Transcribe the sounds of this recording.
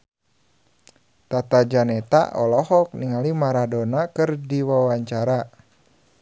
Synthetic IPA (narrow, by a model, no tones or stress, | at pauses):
t̪at̪ad͡ʒanɛt̪a̰ʔɔlɔhɔk̚niŋalimaɾadɔnakɨrdiwawaɲt͡ʃaɾa